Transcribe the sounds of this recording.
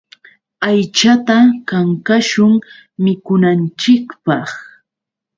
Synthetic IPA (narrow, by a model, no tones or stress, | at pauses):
ajt͡ʃat̪akaŋkaʃʊŋ | mɪkʊnant͡ʃɪkpɑχ